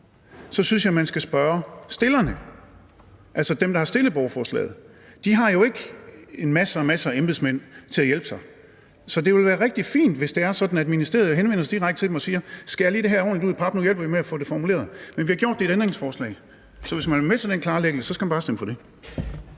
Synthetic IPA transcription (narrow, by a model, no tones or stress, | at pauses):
sɒ̽synsjɑ̈ɪmænsɡ̥æsb̥ɶːɐsd̥e̝lɐnə | ʔælsɒd̥emd̥ɑ̈hɑ̈sd̥e̝ləb̥ɒʊɐfɒːslɛ̰ːð̞̩ˠ | d̥iɦɑ̈jo̝e̝ɡ̥e̝nmæsəɒmæsæemb̥ð̩ˠsmen̰t͡sʰe̝læjel̰b̥sɑ̈ɪ | sɒ̽d̥e̝ʋe̝lʋæːɐʁɛɡ̥̚d̥ifḭːnd̥ʋe̝sd̥e̝æɐsɒ̽d̥n̩æðˠminisd̥ʁḛːɐðˠɦenʋenɐsad̥iʁaɡ̥̚ə̥t͡sʰe̝demɒ̽siːɐsɡ̥æjaliːd̥e̝ɦæɐɒ̰ːnliuð̰ˠpʰɑ̈b̥nujel̰b̥ɐʋimeæfɔ̽ːd̥e̝fɒmule̝̰ɐðˠmenʋihɑ̈ɡ̥jo̝̰d̥e̝eɾend̥ʁeŋsfɒːslɛ̰ɪ | sɒ̽ʋe̝smænmesɐd̥enkʰlɑ̈ːleɡ̥əl̩səsɒ̽sɡ̥æmænb̥ɑːsd̥emfɒ̽d̥e̝